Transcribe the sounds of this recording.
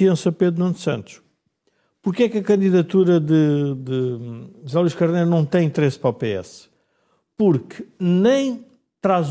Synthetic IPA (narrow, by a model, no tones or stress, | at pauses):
iɐ̃sɐpeðɾunɐ̃nd̪sɐ̃nt̪u̥ʃ | puɾkɛkɐkɐ̃nd̪iðɐt̪uɾɐðɨd̪ɨzalˠiʃkɐɾnejɾunɐ̃w̃t̪ɐ̃j̃ĩnt̪ɾespɾɐpeɛ̰s | puɾknɐ̃j̃ | t̪ɾaz